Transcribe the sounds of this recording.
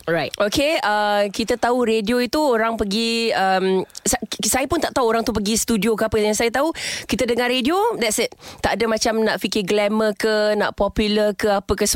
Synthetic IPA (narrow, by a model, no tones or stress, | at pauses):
ɹajtʔokeəkit̪ət̪auɾedioit̪uoɾaŋpəɡiəmsasajapʊnt̪aʔt̪auoɾaŋt̪up̬əɡist̪udiokəapəjaŋsajat̪aukit̪ədəŋarɾediodɛtsɪt̪̚t̪aʔdəmãt͡ʃamnaʔfikɪɡlɛməkəna̰ʔpɔpjuləkəapəkəsə